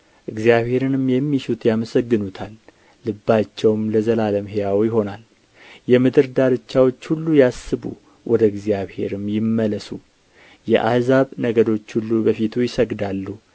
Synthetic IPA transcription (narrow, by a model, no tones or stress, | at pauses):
ʔɨɡzijaβhe̞ɾɨnɨmjɛmːiʃut̪ʰjaməsəɡːɨnut̪ʰalː | ɨbːat͡ʃːɛwmləzəlaləmɦejawjɪɦo̞nal | jɛmɨd̪ɨɾd̪aɾɨt͡ʃːawo̞t͡ʃːhulːujasːɨbṵ | wʔɔd̪əɨɡzijaβhe̞̰ɾɨmjɪmːələsu | jɛ̰ʔa̰hzaβnəɡəd̪o̞t͡ʃːhulːubəfit̪ʰujɪsəɡd̪alːu